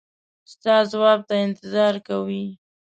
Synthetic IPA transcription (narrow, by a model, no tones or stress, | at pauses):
st̪ɑzwɑb̚t̪aɪnt̪ɪzɑɾkawi